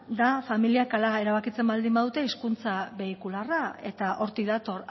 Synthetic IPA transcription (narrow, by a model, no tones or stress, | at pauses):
d̪afamiliakalae̞ɾaβakit͡se̞mbald̪imbaðut̪e̞iskunt͡saβe̞ikularae̞t̪aʔo̞ɾt̪iðat̪o̞r